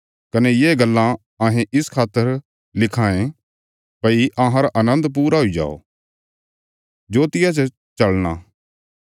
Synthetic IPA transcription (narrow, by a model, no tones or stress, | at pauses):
kɐnɛjeːɡɐlːã | aːɦẽʔɪskʰaːt̪ːəɾ | lɪkʰaːẽ | pɐiʔãɦãɾaʔɐnə̃nd̪p̬uːɾaɦoid͡ʒa̰ːo̰ | d͡ʒoːt̪ɪjat͡ʃə | t͡ʃɐɭɽ̃a̰